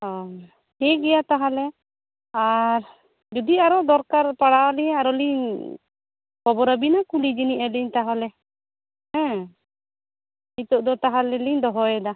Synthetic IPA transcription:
ɔ | hɛɡɛjat̪aɦalɛ | aɾ | d͡ʒud̪iaɾɔd̪ɔɾkaɾpaɽawaliɲaɾɔliɲ | kɔbɔɾabinakulid͡ʒiniʔaliɲt̪aɦalɛ | hɛ̃ | mit̪ɔʔd̪ɔt̪aɦalɛliɲd̪ɔɦɔɛd̪a

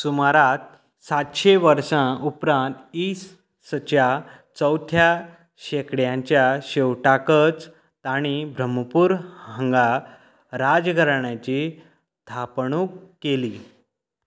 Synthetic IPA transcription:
sumaɾat̪̚ | sat̪ɕeʋəɾsãupɾãnt̪iːs | sət͡ɕja | t͡səwt̪ʰja | ɕekɽjãɲt͡ɕjaɕewʈakət͡s | t̪aɽ̃ibʱɾəməpuːɾhə̃ŋɡa | ɾad͡zɡʱəɾɳjãt͡ɕi | st̪ʰapɳũkeli

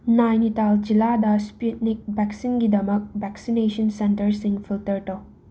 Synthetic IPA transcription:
najnitald͡ʒiladɐsput̚nik̚bɛksinɡidɐmɐk̚bɛksinesɐnsentɐɾsiŋfʰiltɐɾtɐw

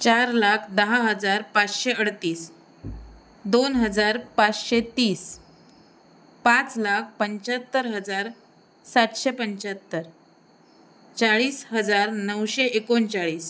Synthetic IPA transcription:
t͡ɕaɾlakʰd̪əɦaɦəd͡zaɾpat͡sɕeəɽt̪iːs | d̪onɦəd͡zaɾpat͡sɕet̪iːs | pãt͡slak̚ʰpəɲt͡ɕət̪ːəɾɦəd͡zaɾ | saʈ̪ɕepəɲt͡ɕət̪ːəɾ | t͡saɭiːsɦəd͡zaɾnəwɕeʔekont͡ɕaɭiːs

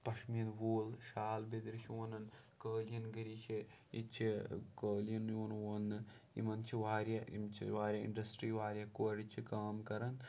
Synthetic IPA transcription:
pɐʃmijɐnʋoːlʃaːlbed̪ɾiʃʰonɐn | kəːljɐnɡɐɾiːt͡ʃʰi | it͡ʃʰikəːljɐnjoːnʋɐnːɨ | ḭmɐnt͡ʃʰiʋaːɾʲjɐḭmt͡ʃʰḭʋaːɾʲjɐḭɳɖɐsʈɾiːʋaːɾjɐkoɾit͡ʃʰikaːmkɐɾɐn

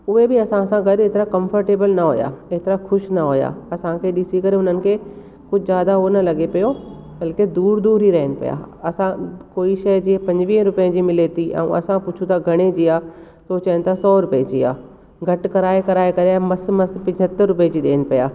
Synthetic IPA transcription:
ʊɦebʱɪɐsãɐsãɡɐɗeːt̪ɾakɐ̃mfəɾʈeːbəlnɐɦo̰ːja̰eːt̪ɪɾaxʰʊʃnɐɦoːja̰ːɐsãkʰeɗɪsikɐɾeʊn̤ənɪ̆kʰe | kʊd͡ʑʱzjaːd̪aɦonɐlɐɡepɐjo | bɐlked̪uːɾd̪uːɾɦiɾɐɦɪnɪ̆pɐ̰ja̰ːɐsãkoːiʃɐjd͡ʑiẽpɐ̃ɲd͡ʑʋiːɦɾʊpəə̃d͡ʑiːmɪlet̪iʔɛ̰̃ːũʔɐ̰sãpʊt͡ʃʰũt̪ʰaɡʱɐɽ̃ed͡ʑiːaː | t̪ot͡ɕɐ̃ənt̪ʰasɔːɾʊped͡ʑiːa̰ː | ɡʱɐʈkɐɾaːekɐɾaːekɐɾeɛ̃mɐsmɐspɪ̃d͡ʒʱət̪ːəɾːʊped͡ʑiːɗḛːnɪ̆pɐja̰ː

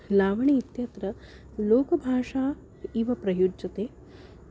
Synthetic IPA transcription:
laːʋɐɳiːt̪jɐt̪ɾɐ | loːkɐbʱaːʂaː | iːʋɐpɾɐjud͡ʒɐt̪eː

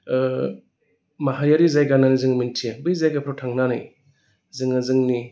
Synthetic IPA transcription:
maɦaɾijaɾizajɡananazɯŋmintʰiabɯjzajɡapʰɾawtʰaŋnanɯj | zɯŋɯzɯŋni

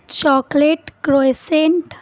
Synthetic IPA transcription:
t͡ɕɔkleʈkɾojseɳʈ

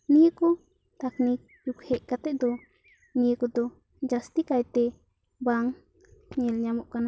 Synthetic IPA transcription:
nijəkɔ | t̪aknik̚d͡ʒukhɛʔkat̪ɛʔ̚d̪ɔ | nijəkɔd̪ɔ | d͡ʒast̪ikajt̪ɛ | baŋ | ɲɛlɲamɔʔkana

